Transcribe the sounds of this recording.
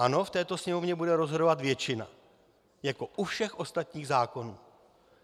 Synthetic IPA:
ano̞ft̪ɛːt̪o̞sɲɛmo̞vɲɛbudɛɾo̞zɦo̞do̞vat̪vjɛt͡ʃɪna̰ | jako̞ʔufʃɛxʔo̞st̪at̪ɲiːɣzaːko̞nuː

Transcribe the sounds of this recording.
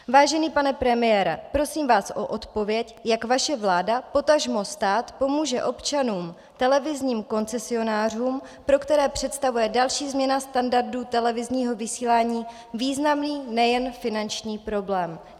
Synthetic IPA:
vaːʒɛniːpanɛpɾɛmɪjɛːɾɛ̰pɾo̞siːmvaːsʔo̞ʔot̪po̞vjɛcjakvaʃɛvlaːdapo̞t̪aʒmo̞st̪aːt̪po̞muːʒɛʔo̞pt͡ʃanuːm | t̪ɛlɛvɪzɲiːmko̞nt͡sɛsɪo̞naːr̝uːm | pɾo̞kt̪ɛɾɛːpr̝̥ɛt̪st̪avujɛdalʃiːzmɲɛnast̪andaɾdut̪ɛlɛvɪzɲiːɦo̞vɪsiːlaːɲiː | viːznamniːnɛjɛnfɪnant͡ʃɲiːpɾo̞blɛːm

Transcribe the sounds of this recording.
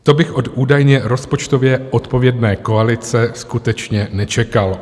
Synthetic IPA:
t̪o̞bɪxʔo̞t̪ʔuːdajɲɛɾo̞spo̞t͡ʃt̪o̞vjɛʔo̞t̪po̞vjɛdnɛːko̞alɪt͡sɛskut̪ɛt͡ʃɲɛnɛt͡ʃɛkal

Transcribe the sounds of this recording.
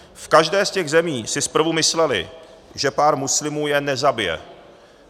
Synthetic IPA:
fkaʒdɛːscɛɣzɛmiːsɪspr̩vumɪslɛlɪ̰ | ʒɛpaːɾmuslɪmuːjɛnɛzabɪjɛ̰

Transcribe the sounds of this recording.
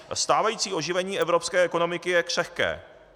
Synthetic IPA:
st̪aːvajiːt͡siːʔo̞ʒɪvɛɲiːʔɛvɾo̞pskɛːʔɛko̞no̞mɪkɪjɛkr̝̥ɛxkɛ̰ː

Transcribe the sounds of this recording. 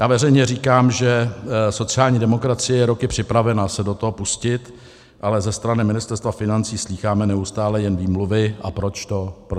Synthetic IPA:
jaːvɛrɛjɲɛriːkaːmʒɛso̞t͡sɪaːlɲiːdɛmo̞kɾat͡sɪjɛjɛɾo̞kɪpr̝̥ɪpɾavɛnasɛdo̞t̪oɦopuscɪt̪ | ʔalɛzɛst̪ɾanɪmɪnɪst̪ɛɾst̪vafɪnant͡siːsliːxaːmɛnɛust̪aːlɛjɛnviːmluvɪʔapɾot͡ʃt̪o̞pɾ

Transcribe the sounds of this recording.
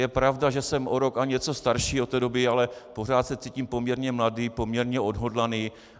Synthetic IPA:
jɛpɾavdaʒɛsɛmʔoɾokaɲɛt͡so̞st̪aɾʃiːot̪ːɛːdo̞bɪalɛpo̞r̝aːt̪sɛt͡siːciːmpo̞mɲɛɾɲɛmladiːpo̞mɲɛɾɲɛʔo̞dɦo̞dlaniː

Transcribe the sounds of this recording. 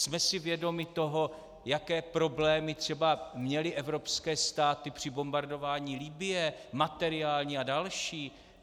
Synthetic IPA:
smɛsɪvjɛdo̞mɪt̪o̞ɦo̞ | jakɛːpɾo̞blɛːmɪt̪r̝̥ɛbamɲɛlɪʔɛvɾo̞pskɛːst̪aːt̪ɪpr̝̥ɪbo̞mbaɾdo̞vaːɲiːlibɪjɛmat̪ɛɾɪaːlɲiːadalʃiː

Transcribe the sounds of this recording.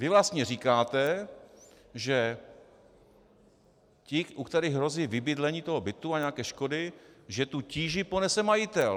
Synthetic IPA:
vɪvlast̪ɲɛriːkaːt̪ɛ | ʒɛ | cɪʔukt̪ɛɾɪɣɦɾo̞zɪjvɪbɪd̪lɛɲiːt̪o̞ɦobɪt̪uaɲɛakɛːʃko̞dɪʒɛt̪uciːʒɪpo̞nɛsɛmajɪt̪ɛl

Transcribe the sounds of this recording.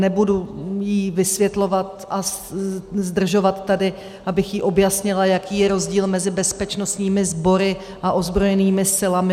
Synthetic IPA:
nɛbudujivɪsvjɛt̪lo̞vat̪a | zd̪r̩ʒo̞vat̪ːadɪ | ʔabɪxjiʔo̞bjasɲɪlajakiːjɛɾo̞zɟiːlmɛzɪbɛspɛt͡ʃno̞st̪ɲiːmɪzbo̞ɾɪ | ʔaʔo̞zbɾo̞jɛniːmɪsɪlamɪ

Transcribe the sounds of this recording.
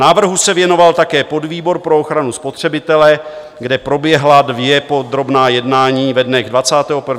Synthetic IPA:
naːvr̩ɦusɛvjɛno̞valt̪akɛːpo̞dviːbo̞ɾpɾooxɾanuspo̞t̪r̝̥ɛbɪt̪ɛlɛ | ɡdɛpɾo̞bjɛɦladvjɛpo̞d̪ɾo̞bnaːjɛdnaːɲiːvɛdnɛɣdvat͡saːt̪ɛːɦopr̩v

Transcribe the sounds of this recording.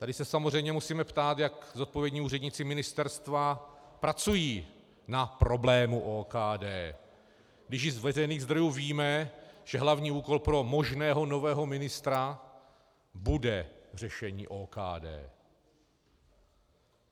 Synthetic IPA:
t̪adɪsɛsamozr̝ɛjmɲɛmusiːmɛpt̪aːt̪jakzot̪̚po̞vjɛdɲiːuːrɛdɲiːt͡sɪmɪnɪst̪ɛɾst̪vapɾat͡sujiː | napɾo̞blɛːmuʔoːkaːdɛː | ɡdɪʃ̬ɪzvɛzɛjniːɣzd̪ɾo̞juːviːmɛʒ̥ɛɦlavɲiːuːko̞lpɾo̞mo̞ʒnɛːɦo̞no̞vɛːɦo̞mɪnɪst̪ɾa | budɛr̝ɛʃɛɲḭːʔoːka̰ːdɛ̰ː

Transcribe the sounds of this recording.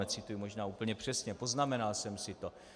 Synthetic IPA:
ɛt͡sɪt̪ujumo̞ʒnaːuːpl̩ɲɛpr̝̥ɛsɲɛpo̞znamɛnalsɛmsɪt̪o̞

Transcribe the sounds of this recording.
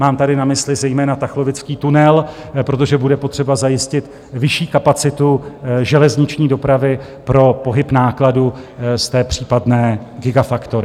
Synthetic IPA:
maːmt̪adɪnamɪslɪzɛjmɛːnat̪axlo̞vɪt͡skiːt̪unɛl | pɾo̞t̪oʒɛbudɛpo̞t̪r̝̥ɛbazajɪscɪt̪ | vɪʃiːkapat͡sɪt̪uʒɛlɛzɲɪt͡ʃɲiːdo̞pɾavɪ | pɾo̞po̞ɦɪpnaːkladust̪ɛːpr̥iːpadnɛːɡɪɡafakt̪o̞ɾɪ

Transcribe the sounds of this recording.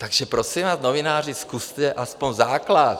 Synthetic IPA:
t̪aɡʒɛpɾosimvaːznovɪnaːrɪskust̪ɛʔʔaspoɲzaːklat̪

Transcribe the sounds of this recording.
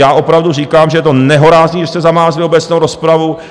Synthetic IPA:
jaːʔo̞pɾavduriːkaːmʒɛjɛt̪onɛɦo̞ɾaːzɲiːɛst̪ɛzamaːzlɪobɛt͡snowɾo̞spɾavu

